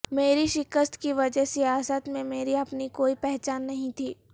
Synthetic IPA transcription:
meːɾiʃɪkəst̪kiʋɐd͡ʒəɦseaːsət̪mẽmeːɾiɐpnikoːipɛɦt͡ʃaːnːɐɦĩt̪ʰiː

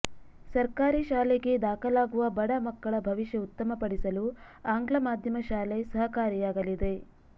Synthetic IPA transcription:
sɐɾkaːɾiʃaːleɡe̞d̪aːkʰɐlaːɡuʋɐbɐɽɐmɐkːɐɭɐbʱɐʋiʃjɐut̪ːɐmɐpɐɽisɐlu | aːŋɡɭɐmaːd̪ʱjɐmɐʃaːlesɐɦɐkaːɾijaːɡɐlid̪e̞

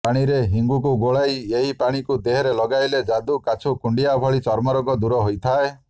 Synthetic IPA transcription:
paɽ̃iɾeɦiŋɡukuɡoɭajeɦipaɽ̃ikud̪eɦɔɾelɔɡajled͡ʒad̪ukat͡ʃʰukuɳɖijabʱɔɭit͡ʃɔɾmɔɾɔɡɔd̪uɾɔɦojt̪ʰae

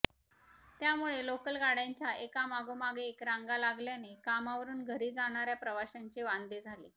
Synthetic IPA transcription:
t̪jamuɭelokəlɡaɽaɲt͡ɕjaʔekamaɡomaɡeːkɾaŋɡalaɡljanekamaʋəɾuːnɡʱəɾiːd͡zaɽ̃aɾjapɾəʋaɕaɲt͡ɕeʋand̪ed͡zʱalḛ

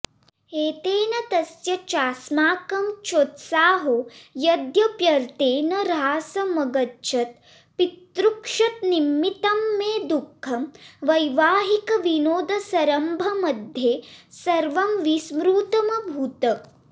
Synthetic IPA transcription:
eːt̪eːnɐt̪ɐsjɐt͡ʃaːsmaːkɐmt͡ʃoːt̪saːɦojɐd̪jɐpjɐɾt̪eːnɐɾaːsɐmɐɡɐtːʃʰɐt̪̚ | pit̪ɾukʂɐt̪̚nimːit̪ɐmːeːd̪ukʰːɐmʋɐjʋaːɦikɐʋinoːd̪ɐsɐɾɐmbʱɐmɐd̪ʱjeːsɐɾʋɐmʋismɾuːt̪ɐmɐbʱuːt̪ɐ

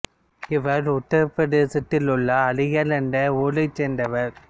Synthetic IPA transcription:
ɪʋɐɾʊʈːɐɾpɐðesɪʈːɪlʊɭːɐːlɪjɐlɛnɖɐuːlɐt͡ʃːɛnd̪ɐʋɐɾ

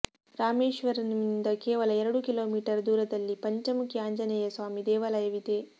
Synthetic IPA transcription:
ɾaːmeːʃʋɐɾɐniind̪ɐkeːʋɐlɐɛɾɐɽukilo̞ːmiːʈɐɾd̪uːɾɐd̪ɐlːipɐɲt͡ʃɐmukjaːɲd͡ʒɐnɛjɐsʋaːmid̪ɛːʋɐlɐjɐʋid̪eː

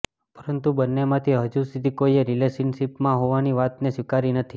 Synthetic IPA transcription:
pəɾənt̪ubənːemãt̪ʰiɦəd͡ʒusid̪ʱikoieɾilesənʃipmãɦoʋaniʋat̪nesʋikaɾinət̪ʰi

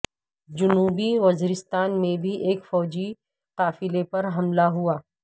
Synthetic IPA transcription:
d͡ʒʊnuːbiʋɐziɾɪst̪aːnmẽbʱiʔeːkfɔːd͡ʒi | qaːfɪlepɐɾɦɐmlaɦuaː

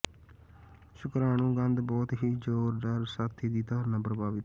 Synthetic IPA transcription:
ʃʊkɾaːnũːɡə̃nd̪bɔːt̪ɦiːd͡ʒoːɾɖəɾsaːt̪ʰːiːd̪iːt̪ãːnəbɾəbaːʋɪt̪

